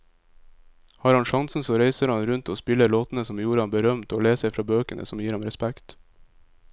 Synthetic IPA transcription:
hɑːɾhɑnʃɑŋsn̩soːɾeɪsəɾhɑnɾʉnt̪oːspɪləɭoːt̪n̩əsɔmjuːɾəɑnbəɾœmt̪oːleːsæɪfɾɑːbøːkənʔə̰sɔmjiːɾhɑmɾɛspækt̪

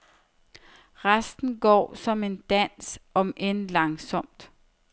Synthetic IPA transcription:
ʁasd̥n̩ɡ̥ɒ̰ːsɒ̽me̝nd̥æn̰sʔɒ̽mʔenlɑ̈ŋsɒ̽m̰d̥

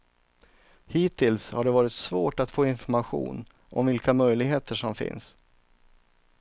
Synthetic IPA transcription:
hiːt̪ʰɪlshaɖɛvɑːɾɪt̪svoːʈat̪foːɪnfɔɾmaɧṵːn | ʔɔ̰mvɪlkamœjlɪɡɦeːt̪ʰəʂɔmfɪ̰ns

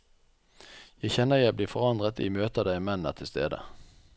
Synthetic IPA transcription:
jæɪçɛnəjæɪbliːfɔʁɑnd̪ʁət̪ḭːmøːt̪əd̪æɪmɛnə̰ʁt̪ʰɪlst̪ḛːd̪ə̰

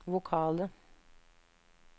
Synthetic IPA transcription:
ʋukʰɑːlˠə

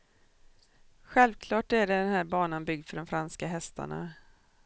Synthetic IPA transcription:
ɧɛlvkʰlɑːʈæɖɛɖɛnhæːɾbɑːnanbʏɡ̚d̪fœɖɔmfɾanskaɦɛst̪ʰa̰ɳa̰

